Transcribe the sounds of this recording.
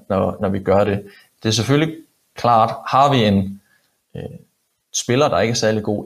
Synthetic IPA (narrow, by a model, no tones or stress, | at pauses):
nɒnɒʋiɡ̥ɶɐɾe̝ | d̥e̝æɐseføli | kʰlɑ̰̈ːd̥hɑ̈ʋie̝n | sb̥e̝lɐd̥ɑ̈e̝ɡ̥əæɐsæɐliɡ̥o̝̰ː